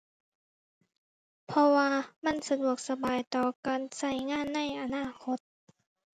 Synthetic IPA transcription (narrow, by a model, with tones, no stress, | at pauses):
pʰɔ˧waː˧ma˧˥˨nsa˧du˨˩ək̚sa˧baː˨jt̪ɔː˨˩kaː˨nsa˧˩jŋaː˧˥˨nːa˧˥˨jʔa˧naː˧˥˩kʰo˧˦t̪̚